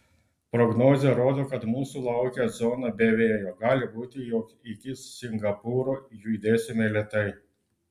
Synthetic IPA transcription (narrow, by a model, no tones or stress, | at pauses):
pɾɔɡnɔːzʲeɾoːd̪oːkɐt̪muːsuːlˠɐʊkʲɛzɔːnɐbʲeːʋʲeːjoːɡɑːlʲɪbuːt̪ʲɪjoːk | ɪkʲɪsʲɪŋɡɐpuːɾoːjuːid̪ʲeːsʲɪmʲelʲɛt̪ɐɪ